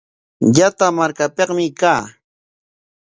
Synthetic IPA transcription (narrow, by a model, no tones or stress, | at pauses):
jat̪amaɾkapeqmɪkaː